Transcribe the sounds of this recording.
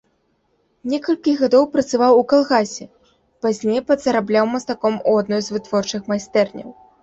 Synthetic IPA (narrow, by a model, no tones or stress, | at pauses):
nʲɛkɐlʲkʲiɣad̪ɔwpɾɐt̪sɨvawukalˠɣasʲɛ | pazʲnʲejpɐt̪zɐɾablʲawmɐst̪akɔmuad̪nɔjzvɨt̪vɔrt͡ʂɨxmajst̪ɛrnʲɐ̰w